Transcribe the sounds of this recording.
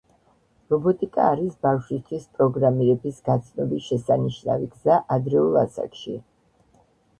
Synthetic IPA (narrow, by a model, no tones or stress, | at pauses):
ɾɔbɔt̪ʼikʼa̰ːɾisbafʃwist̪ʰwispʼɾɔɡɾamiɾɛbisɡat̪sʰnɔbiʃɛsaniʃna̰viɡzaʔad̪ɾɛulˠa̰sa̰kʃi